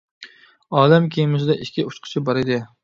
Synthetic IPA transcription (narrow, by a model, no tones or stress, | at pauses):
ɑːlɛmkʲʰejɪmɪsɪd̪ɛʔikʲːiut͡ʃqʰə̥t͡ʃʰɪbɑɾɪd̪ɪ